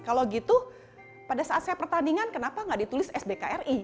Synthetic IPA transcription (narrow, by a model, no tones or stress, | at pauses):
kalawɡit̪u | padasaat̪̚sajapərt̪aniŋankənapaŋɡadit̪ulɪsɛsbekaʔɛri